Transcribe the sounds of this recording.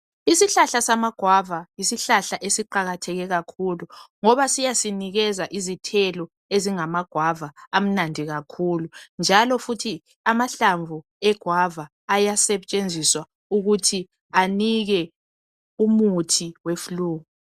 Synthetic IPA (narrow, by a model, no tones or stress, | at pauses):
isiɬaɬasamaɡ̥ʱwavajisiɬaɬaʔesiǃaɣatʰɛɣɛɣakʰuluŋɔβasijasiniɣɛzaʔizitʰɛlɔ | eziŋamaɡ̥ʱwavaːm̩nandʱiɣakʰulund͡ʒʱalɔfutʰi | amaɬaɱvu | ɛɡ̥ʱwavaːjasɛt͡ʃʼend͡zʱiswa | uɣutʰi | aniɣɛ | umutʰiwefuluːɣu